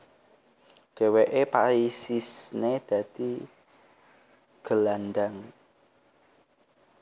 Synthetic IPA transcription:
ɖ̥e̤weʔepaɾisisned̪̥ä̤d̪̥i | ɡ̥ə̤landaŋ

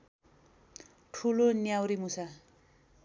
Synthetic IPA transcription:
ʈʰulonjawɾimusa

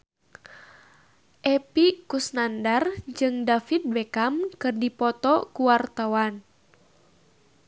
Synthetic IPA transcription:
ʔɛpikusnandard͡ʒɨŋdafit̪̚bɛkamkɨrdipɔt̪ɔkuwart̪awan

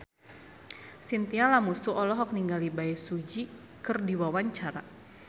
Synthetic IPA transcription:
sint̪ialamusuʔɔlɔɦɔk̚niŋɡalibaɛsud͡ʒi | kɨrdiwawaɲt͡ʃaɾa

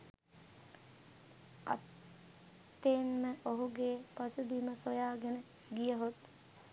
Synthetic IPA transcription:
a̰t | t̪ːeːnməʔoɦuɡeːpasubiməsojaːɡenə | ɡijəɦot̪

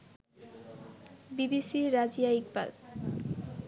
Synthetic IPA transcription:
bibisiɾad͡ʑijaikba̰l

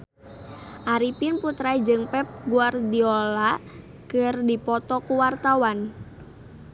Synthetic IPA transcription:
ʔaɾipinput̪ɾaid͡ʒɨŋpɛp̚ɡuardiola | kɨrdipɔt̪ɔkuwart̪awan

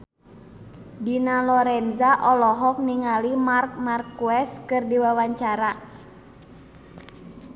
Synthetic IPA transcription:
dinalɔɾɛnzaʔɔlɔɦɔk̚niŋalimark̚markːuɛskɨrdiwawaɲt͡ʃaɾa

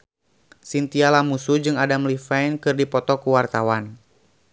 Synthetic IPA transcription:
sint̪ialamusud͡ʒɨŋadamlifɛjnkɨrdipɔt̪ɔkuwart̪awan

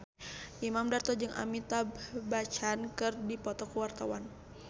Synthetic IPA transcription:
ʔimamdart̪ɔd͡ʒɨŋa̰mit̪abbat͡ʃankɨrdipɔt̪ɔkəwart̪awan

